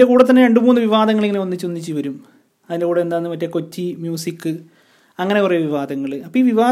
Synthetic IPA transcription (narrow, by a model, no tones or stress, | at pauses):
nde̞kuːɽɐt̪̬ːɐnːeɾe̞ɳɖɨmuːnːɨʋiʋaːd̪ɐŋːɐɭiŋːɐneonːit͡ɕːonːit͡ɕːɨʋɐɾum | ɐðinde̞kuːɽeend̪aːjnːɨpɐtːeko̞tːimjuːsikːɨ | ɐŋːɐne̞kurejʋiʋaːd̪ɐŋːɐɭɨɐpːoiːʋiʋaː